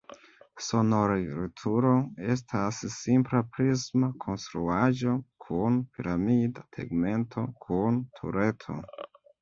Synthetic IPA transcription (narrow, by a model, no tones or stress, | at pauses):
so̞noɾaɾitʰuɾoe̞s̬tʰasːimplapɾismakʰo̞nstɾuaʒokʰunpiɾamidatʰḛɡme̞ntʰo̞kʰuntʰṵɾe̞tʰo̞̰